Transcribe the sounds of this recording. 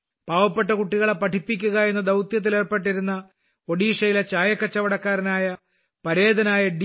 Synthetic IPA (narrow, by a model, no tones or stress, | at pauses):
paːʋɐpːeʈːɐkuʈːiɣɐɭepːɐʈʰipːik̬ʲːuɣɐe̞nːɐd̪ɐwt̪jɐt̪̬ːileːrpe̞ʈːiɾunːɐ | o̞ɽiːʂɐjilet͡ɕaːjɐkːɐt͡ɕːɐʋɐɽɐkːaːɾinaːjɐ | pɐɾe̞ːd̪ɐnaːjɐɖ